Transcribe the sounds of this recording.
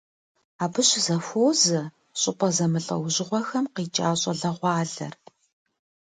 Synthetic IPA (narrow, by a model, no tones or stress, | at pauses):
aːbɨɕzɐfoːzɐ | ɕʼɪpʼɐzɐmɨɬʼɐ̰wʑɪʁʷɔxɐmqiːt͡ʃʼaːɕʼɐɮɐʁʷɑːɮɐ̰r